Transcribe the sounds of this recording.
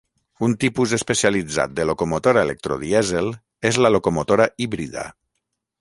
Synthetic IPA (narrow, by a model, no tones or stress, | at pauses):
unt̪ipuzespesialid͡za̰t̪̚d̪əlokomot̪oɾaelek̚t̪ɾo̰ðiɛzel | ezlalokomot̪oɾaiβɾiða̰